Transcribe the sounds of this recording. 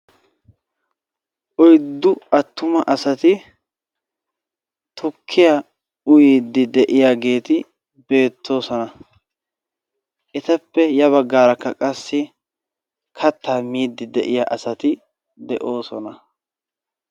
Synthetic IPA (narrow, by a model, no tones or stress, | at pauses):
ʔɔjd̪ːʊɐt̪ːʊmɐʔɐsɐt̪ɪ | t̪ʰʊkʰːɪja | ʊjiːd̪ɪd̪ɛʔɪjaːɡe̞ːt̪ɪ | be̞ːt̪ʰːo̞ːsɔnɐ | ʔɪt̪ɐpːɛjɐβɐɡːaːɾɐkːɐkʼɐsːɪ | kʰɐt̪ːaːmiːd̪ːɪd̪ɛʔɪjaʔɐsɐt̪ɪ | d̪ɛʔo̞ːsɔnɐ